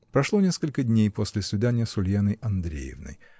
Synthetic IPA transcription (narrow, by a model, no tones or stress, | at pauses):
pɾɐʂlˠo̞nʲe̞skəlʲkədʲnʲejpo̞sʲlʲɪsvʲɪd̪anʲɪjəsʊlʲjanəjʔɐnd̪ɾʲḛjɪ̰vnə̰j